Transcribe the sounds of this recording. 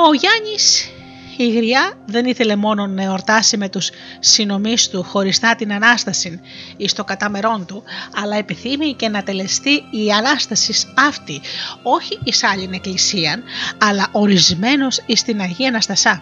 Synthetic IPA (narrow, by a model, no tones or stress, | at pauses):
o̞ʝɐɲis | iɣɾiɐðe̞niθe̞le̞mo̞no̞nɐo̞ɾt̪ɐsime̞t̪usː | ino̞mist̪uxo̞ɾist̪ɐt̪inɐnɐst̪ɐsin | ist̪o̞ɡɐt̪ɐme̞ɾo̞nt̪uɐlɐe̞piθimice̞nɐt̪e̞le̞st̪iːɐnɐst̪ɐsisɐft̪io̞çiːsɐʎine̞klisiɐnɐlɐʔo̞ɾizme̞no̞sist̪inɐʝiɐnɐst̪ɐsɐ